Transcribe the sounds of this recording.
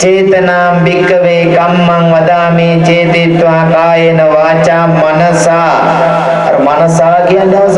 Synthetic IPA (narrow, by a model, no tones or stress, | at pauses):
t͡ʃeːt̪ɐnaːmbikːɐʋeːkɐmːɐŋʋɐd̪aːmiːt͡ʃeːt̪iːt̪ʋãkaːjenɐʋaːt͡ʃaːmɐnɐsaː | ɐɾmɐnɐsaːɡiɐnd̪aː